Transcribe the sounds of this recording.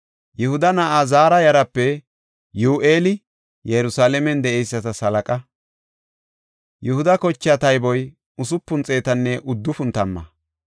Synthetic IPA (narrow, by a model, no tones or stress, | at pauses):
jɛhʊd̪ɐnɐʔazaːɾɐjɐɾɐpːɛ | juːʔeːlɪ | jɛɾʊsaːlɛmɛnd̪ɛʔɛjsːɐt̪ɐsɐlɐkʼɐ | jɛhʊd̪ɐkɔt͡ʃːɪat̪ɐjbɔj | ʊsʊpːʊnt͡sʼe̞ːt̪ɐnːɛʔʊd̪ːʊfʊnt̪ɐmːɐ̰